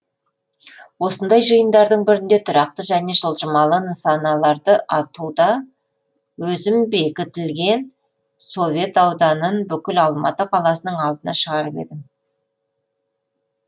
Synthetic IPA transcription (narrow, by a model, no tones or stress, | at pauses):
wo̞sənd̪ɑjʒəjənd̪ɑɾd̪əɴbɪɾɪnd̪e̞t̪ʰʊɾɑq̚t̪əʒæne̞ʒəlˠʒəmɑlˠənəsɑnɑlˠɑɾd̪əʔɑt̪ud̪ɑ | wɵzɪmbe̞kʲɪt̪ɪlɡʲe̞n | so̞vʲe̞t̪ɑwd̪ɑnənbʏkʲɪlɑlˠmɑ̰t̪əqʰɑlˠɑsənəɴɑlˠd̪ənɑʃəʁɑɾəpe̞̰d̪ɪm